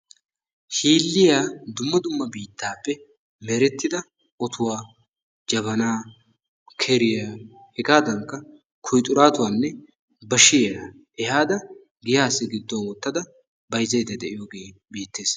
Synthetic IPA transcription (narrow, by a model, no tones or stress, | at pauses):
hiːlːɪjaːd̪ʊmːɐd̪ʊmːɐbiːt̪ːaːpːɛ | mɛɾɛt̪ːɪd̪ɐ | ʔɔt̪ʰʊwaː | d͡ʒɐβɐnaː | kʰɛɾɪjaː | hɛɡaːd̪ɐŋkːɐ | kʰɔjt̪ʼːʊɾaːt̪ʊwaːnːɛ | bɐʃɪja | ɛhaːd̪ɐ | ɡɪjaːsːɪɡɪd̪ːɔwwɔt̪ːɐd̪ɐ | bɐjzɐjd̪ɐd̪ɛʔɪjoːɡeːbiːt̪ːe̞ːs